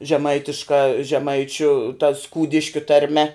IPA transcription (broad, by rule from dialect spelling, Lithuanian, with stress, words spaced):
ʒʲɛˈmɐɪtʲɪʃkɐ ʒʲɛˈmɐɪt͡ʃʲʊ tɐ ˈskuːdʲɪʃʲkʲʊ tɐrʲˈmʲɛ